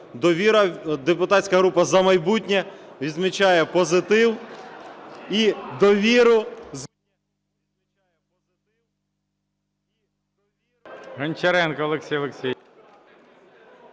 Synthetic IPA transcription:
d̪ɔʋʲiɾɐd̪epʊt̪ɑtʲsʲkɐɦɾupɐzɐmɐjbutʲnʲɛʋʲid̪zmit͡ʃɑjɛpɔzɪt̪ɪw | id̪ɔʋʲiɾʊz | jɛ | ɪ | ɦɐnʲt͡ʃɐɾɛnkɐɔlˠeksʲijɔlˠeksʲi

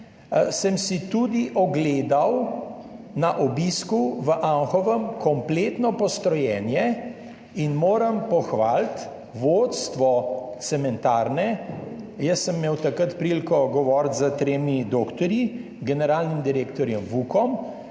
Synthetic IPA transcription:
səmsit̪ud̪iʔɔɡleːd̪aw | naʔɔbiskuʋəʔaŋxɔʋəmkʰɔmplet̪nɔpɔst̪ɾɔjɛnjɛ | inmoːɾəmpɔxʋaːlt̪ | ʋot̪st̪ʋɔt̪sɛmɛnt̪aːɾnɛ | jəsːəmːeːwt̪akɾət̪pɾilkɔɡɔʋɔɾt̪zət̪ɾeːmid̪oːkt̪ɔɾji | ɡɛnɛɾaːlnimd̪iɾeːkt̪ɔɾjɛmʋukɔm

